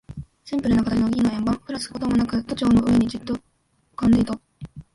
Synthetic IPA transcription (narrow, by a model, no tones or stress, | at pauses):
ɕĩmpɯ̟ɾɯnoakat̪aɾinoɡʲiːnoẽmbãɸɯ̟ɾasɨ̥ko̞t̪omonakɯ̟t̪ːot͡ɕo̞ːnoʔɯ̟e̞ɲ̟id͡ʑɨt̪ːo | ɯ̥kãnd̪e̞it̪a